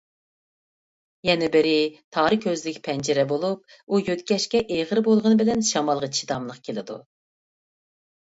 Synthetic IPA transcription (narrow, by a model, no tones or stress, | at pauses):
jɛnɛbɪɾɪt̪ʰɑːɾɨkʲʰøzlɪkʲpʰɛnd͡ʒɪɾɛbolˠup̚ | ujøt̪kʲɛʃkʲɛʔeʁəɾbolˠʁənɨbɪlɛnʃɑmɑlˠʁɑt͡ʃʰi̥d̪ɑmlˠəqkʲʰelɪd̪ṵ